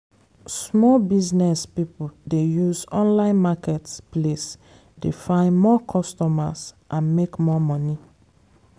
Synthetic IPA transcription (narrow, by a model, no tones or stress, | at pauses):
smɔlbiznɛspipudejuzɔ̃nlãɪ̃nmakɛtsples | defãɪ̃nmɔkʰɔstɔma̰sʔãnmekmɔmɔni